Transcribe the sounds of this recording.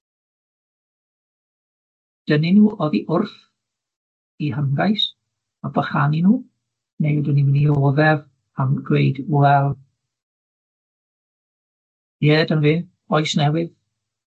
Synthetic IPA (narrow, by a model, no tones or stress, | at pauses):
d̥əninuːʔɔðiʔʊrθ | iɦəmɡajs | abaχaninuː | nejdənimɪnioːðɛv | amɡwejdwɛlˠ | jɛːdənvɪː | ɔɨsnɛwɪð